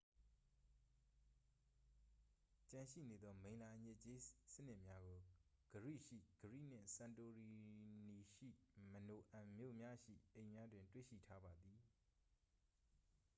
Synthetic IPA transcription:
t͡ɕã˨ʃḭ˦˨ne˨d̪ɔ˦mẽ˨ɪ̃la˨ʔəɲɪ˦˨t͡ɕe˦sə˦n̥ɪ˦ʔmja˦ɡo˨ | ɡ̥əɹḭ˦˨ʃḭ˦˨ɡ̥əɹḭ˦˨n̥ɪ̰̃˦˨sã˨nto˨ɹi˨ni˨ʃḭ˦˨məno˨ʔã˨mjo̰˦˨mja˦ʃḭ˦˨ʔẽ˨ɪ̃mja˦dwɪ̃˨ntwḛ˦˨ʃḭ˦˨tʰa˦ba˨d̪ði˨

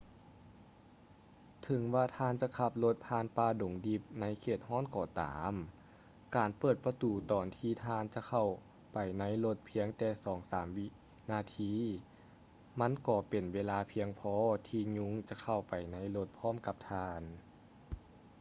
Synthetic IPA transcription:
t̪ʰɯ˨˦ŋwaː˧t̪ʰaː˧˥˨nt͡ɕa˧˨kʰa˧˩p̚lo˧˦t̪̚pʰaː˧˥˨npaː˧˩do˨˦ŋdi˧˩p̚na˧˥jkʰeː˧˩t̪̚hɔː˧˥˨nkɔː˧˩t̪a̰ː˩˦m | kaː˨npɤː˧˨˩t̪̚pa˧t̪uː˨˩t̪ɔː˨˩nt̪ʰiː˧˩t̪ʰaː˧˥˨nt͡ɕa˧kʰa˧˩w | pa˨˩jna˧˥jlo˧˥t̪̚pʰi˧˥əŋt̪ɛː˧˩sɔː˩˦ŋsaː˩˨˦mwi˧ | naː˧˨t̪ʰiː˧˥˨ | ma˧˥˨nkɔː˧˩pe˨˩nweː˧laː˧pʰi˧əŋpʰɔː˧˥t̪ʰiː˧ɲu˧˥˨ŋt͡ɕa˧˦kʰa˧˩wpa˨˩jna˧˥˨jlo˧˦t̪̚pʰɔː˧˥˨mka˧p̚t̪ʰaː˧˥n

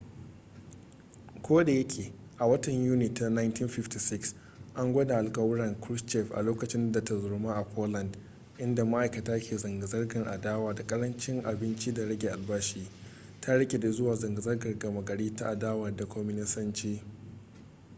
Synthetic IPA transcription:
kʷoː˦da˨jɐ˦kʲʰeː˨ | ʔa˨wɐ˦tɐ˨ɲjuː˦nɪ˨ta˦na˦ɪ˦ntiː˦nɸɪ˦fti˨sɪ˦ks | ʔa˦ŋɡʷɐ˦da˨ʔa˨lkʼɐ˦wɽɐ˨ŋkɾʊ˦st͡ʃɛ˦ɸʔa̰˨loː˦kɐ˨t͡ʃɪ˦nda˨ta˨zʊ˨rmaː˦ʔa˨pʰoː˦lɐ˨nd | ʔɪ˦nda˨ma˦ʔa˨kɐ˨taː˦kʲeː˨zɐ˨ŋɡa˨zɐ˦rɡɐ˨ŋʔa˨daː˦waː˨da˨kʼɐ˦ɾɐ˦nt͡ʃɪ˦ŋʔa˨bɪ˦nt͡ʃi˦da˨ɽɐ˦ɡʲe˨ʔa˨lbaː˦ʃiː˦ | tʰa˦ɽɐ˦kʲe˨da˨zʊ˦waː˨zɐ˨ŋɡa˨zɐ˦rɡɐ˨rɡɐ˨mɐ˨ɡɐ˨ɽiː˦ta˦ʔa˨daː˦wɐ˨rda˨kʰʷɔ˦mɪ˦nɪ˦sɐ˦nt͡ʃiː˦

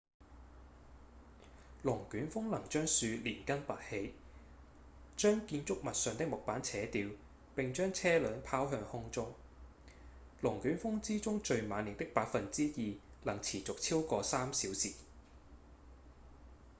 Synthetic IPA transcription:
lʊ˨˩ŋkyː˨˥nfʊ˥ŋlɐ˨˩ŋt͡ʃœː˥ŋsyː˧liː˨˩nkɐ˥npɐ˨˩t̚he˨˥j | t͡ʃœː˥ŋkiː˧nt͡sʊ˥k̚mɐ˨t̚sœː˨˧ŋt̪ɪ˥k̚mʊ˨k̚paː˨˥nt͡sʰɛː˨˥t̪iː˧w | pɪ˨ŋt͡ʃœː˥ŋt͡sʰɛː˥lœː˨˥npʰaː˥wɦœː˧ŋhʊ˥ŋt͡sʊ˥ŋ | lʊ˨˩ŋkyː˨˥nfʊ˥ŋt͡siː˥t͡sʊ˥ŋt͡ʃɵ˨˧ɥmaː˨˧nːi˨nt̪ɪ˥k̚paː˧k̚fɐ˨nt͡siː˥jiː˨˧lɐ˨˩ŋt͡sʰiː˨˩t͡sʊ˨k̚t͡sʰiː˥wkɔː˧saː˥msiː˨˥wsiː˨˩

